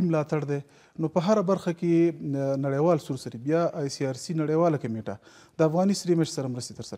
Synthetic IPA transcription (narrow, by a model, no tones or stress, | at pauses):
imlɑt̪aɽd̪e | nopəɦaɾabaɾxakenaɽejwɑlsuɾsaɾibjɑːjsiɑɾsinaɽejwɑlakameʈa̰ | d̪əafɣɑnisɾimɪʃsaɾamɾəst̪et̪əɾsaɾ